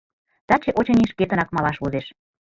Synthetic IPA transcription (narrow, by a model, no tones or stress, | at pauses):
t̪ɑt͡ɕeʔot͡ɕɤniʃket̪ə̆nɑkmɑlɑʃβuzeʃ